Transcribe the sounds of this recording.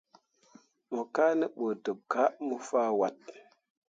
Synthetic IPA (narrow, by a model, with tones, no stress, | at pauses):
mo˨ka˦nə˦ɓo˨to˨p̚ka˦ʔmu˦faː˦wa˨t̚